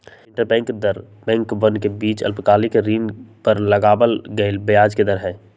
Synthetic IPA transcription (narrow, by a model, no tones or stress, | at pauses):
ɪ̃ɳʈəɾbɛ̃ːŋkd̪əɾ | bɛ̃ːŋkbə̃nkebiːt͡ʃɐ̰lpkaːlɪkɾiːnpəɾləɡaːbəlɡəɪlbejaːd͡ʒked̪əɾɦɛ̃ː